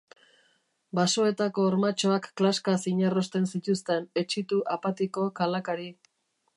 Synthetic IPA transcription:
baso̞e̞t̪ako̞ːɾmat͡ʃo̞akːlaskasiɲaro̞st̪e̞nsit̪ust̪e̞ne̞t͡ʃit̪uʔapat̪iko̞kalakaɾi

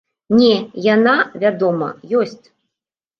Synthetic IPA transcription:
nʲɛjanavʲad̪ɔmɐ̰jɔsʲt͡sʲ

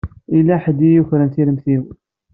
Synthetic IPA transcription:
ilːæħəd̪ijuçɾənθiləmθiw

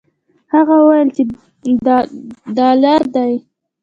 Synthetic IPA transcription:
haɣawajəlt͡ʃe | dd̪ɑlaɾd̪aj

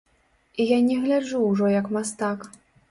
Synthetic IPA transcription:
ijanʲɛɣlʲad͡ʐuwʐɔjɐkmast̪ak

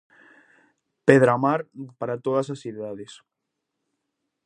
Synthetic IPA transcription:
peðɾamaɾpaɾat̪oð̞ɐsasθiðaðes

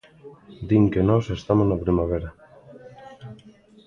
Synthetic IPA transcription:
d̪iŋkenɔsest̪amoznapɾimaβ̞eɾa

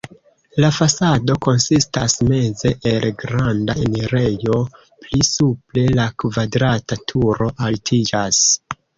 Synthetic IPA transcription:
lafasado̞ko̞nsistasme̞ze̞ʔelɡɾandaeneɾe̞jo̞ | plisuple̞lakvadɾatatʰuɾo̞ʔaltʰid͡ʒas

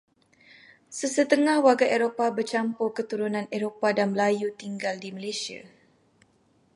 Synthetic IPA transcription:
səsət̪əŋahwaɡaʔeɾopabərt͡ʃampokət̪uɾunãneɾopadanməlajut̪iŋɡaldiməlesia̰

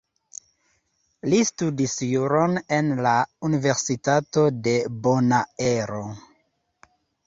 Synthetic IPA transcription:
listudisjuɾone̞nlaunive̞ɾsitato̞de̞bonaeɾo

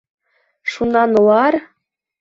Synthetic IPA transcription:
ʃunɑnulɑr

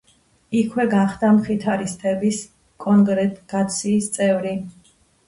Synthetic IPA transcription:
ikʰwɛɡaχd̪amχit̪ʰaɾist̪ʰɛbis | kʼɔŋɡɾɛt̪ʼɡ̥at̪sʰiːst̪sʼɛvɾi

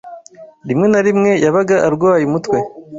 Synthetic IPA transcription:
ɾimŋe̞naɾimŋe̞jaβaɡaʔːɾɡwaːjumutwe̞

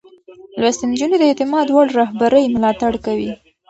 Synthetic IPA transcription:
lwast̪ɪnd͡ʒunod̪əet̪ɪmɑd̪waɽɾaɦbaɾəjmʊlɑt̪aɽkawi

